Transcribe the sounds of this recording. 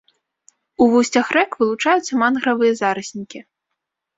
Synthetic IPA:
uvusʲt͡sʲɐxrɛkvɨlˠut͡ʂajut̪sːɐmanɣɾɐvɨjɐzaɾɨsʲnʲikʲi

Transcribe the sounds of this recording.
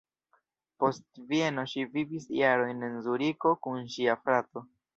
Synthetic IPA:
po̞stvie̞no̞ʃivivisḭjaɾo̞jnenzuɾiko̞kunʃiafɾato̞

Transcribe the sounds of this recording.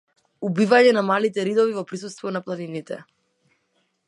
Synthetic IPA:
ubivaɲɛnamalit̪ɛɾid̪ɔvivɔpɾis̬ust̪vɔnaplˠaninit̪ɛ̰

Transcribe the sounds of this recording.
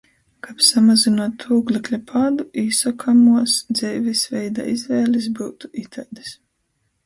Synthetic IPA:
kapsamazinuɔt̪ʰːuːɡlʲˠiklʲapʰaːd̪uiːsakʰamuɔsd̪zɛjvisvʲɛjd̪a̰ːizvɛːlʲis̬buːt̪u̥ʔit̪ʰajd̪i̥s

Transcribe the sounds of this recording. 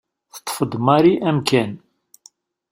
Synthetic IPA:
θə̥t̪ˤːfəd̪ˤmɑɾiʔæmkæn

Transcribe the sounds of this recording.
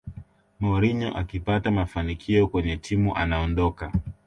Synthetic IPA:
mɔɾiɲɔ̰ʔa̰kipatamafanikʰiɔkwɛɲɛtʰimuʔanaɔndɔka

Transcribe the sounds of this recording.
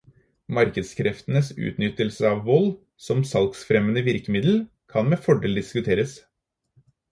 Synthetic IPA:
mɑɾkəd̪skʰɾɛft̪ənəsʉ̰ːt̪nʏt̪əlsəɑʋʋɔl | sɔmsɑlksfɾɛmənəʋɪɾkəmɪd̪l̩ | kʰɑnmeːfɔɖeːld̪ɪskʉt̪ʰeːɾəs

